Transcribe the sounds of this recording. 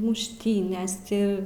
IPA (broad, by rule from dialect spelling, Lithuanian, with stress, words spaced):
mʊʃʲˈtʲiːnʲeːs ˈtʲɪ